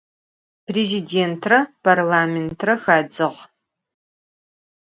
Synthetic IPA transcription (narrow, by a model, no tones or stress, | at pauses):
pʰreziːdeːntʰrɐpʰɐrlaːmentʰrɐxaːd͡zɨʁ